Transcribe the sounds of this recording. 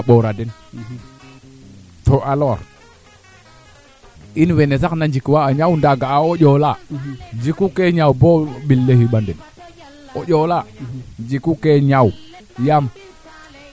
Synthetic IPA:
aɓoɾaden | toʔalo̰ɾ | inwenes̬aknand͡ʒikwaːɲawndaɡaaoʄolad͡ʒikukeɲawboɓilːehiɓandɛn | oʄolad͡ʒikukeɲaw | jam

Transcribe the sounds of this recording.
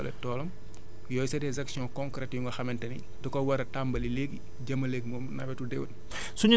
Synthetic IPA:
ɐlɛ̰tɔːlɔm | jɔːjsɛdɛzɐksijɔ̃kɔ̃ŋkɾɛtjuŋɡɐxɐmɛntɐnḭ | dɐkɔwɐɾɐtambɐlileːɡi | ɟɐmːɐleːɡmɔːmnɐwɛtudɛwɐt | suɲ

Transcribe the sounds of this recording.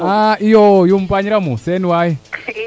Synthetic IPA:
aijojom̩paɲiɾamuseniwaji

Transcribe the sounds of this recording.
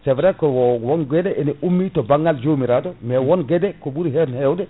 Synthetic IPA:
sɛvɾɛkɔwɔwɔnɡɛdɛʔɛnɛʔumːitɔbaŋɡald͡ʒomiɾaːdɔmɛwɔnɡɛdɛkɔbuɾiɦɛɾnhɛwdɛ

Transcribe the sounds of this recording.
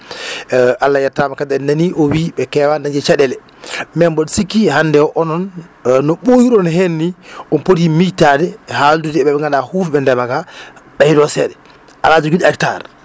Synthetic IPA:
ʔalːajaɾtamakadɛndaniʔɔwiɓɛkɛwandaɲd͡ʒɛt͡ʃaɗɛlɛ | mɛmbɔɗsikːihandɛwɔʔɔnɔnnɔɓojuɾɔnɦenːiʔɔnpotimijtadɛhaldudiɛɓɛɛŋɡaɗahufɓɛndɛmakaɓajidɔsɛɗɛ | ʔalad͡ʒɔɡudakta̰ɾ

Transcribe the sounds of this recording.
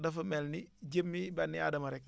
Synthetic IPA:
dɐfɐmɛlniɟəmːibɐnːia̰ːdɐmɐɾɛk̚

